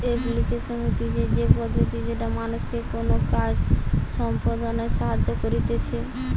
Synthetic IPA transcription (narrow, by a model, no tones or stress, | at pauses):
eplikeʃomit̪id͡ʑed͡ʑepod̪ʱot̪id͡ʑeʈamanuʃkekonokad͡ʑʃɔmpod̪aneʃaɦad͡ʑokoɾit̪et͡ɕʰe